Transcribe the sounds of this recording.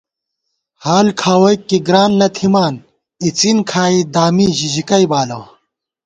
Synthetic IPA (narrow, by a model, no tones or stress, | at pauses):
haːlkʰaːwɐikiɡɾaːnlɐt̪ʰimaːn | it͡sinkʰaːid̪aːmiʑiʑikɐibaːlɐw